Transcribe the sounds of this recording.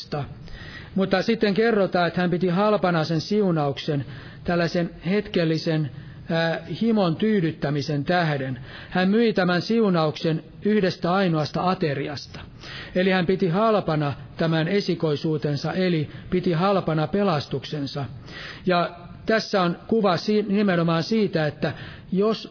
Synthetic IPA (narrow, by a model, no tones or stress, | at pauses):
t̪ɑ | mut̪ːɑsit̪ːeŋkerːot̪ɑːet̪hæmpit̪ihɑlpɑnɑsensiunɑuksen | t̪ælːæsenhet̪kelːisenː | himont̪yːdyt̪ːæmisent̪æhden | hæmmyit̪æmænsiunɑuksen | yhdest̪æɑinoɑst̪ɑɑt̪eriɑst̪ɑ̥ | elihæmpit̪ihɑlpɑnɑ | t̪æmænesikoisuːt̪ensɑʔelipit̪ihɑlpɑnɑpelɑst̪uksensɑjɑ | t̪æsːæonkuʋɑsinimenomɑːnsiːt̪æet̪ːæ | jos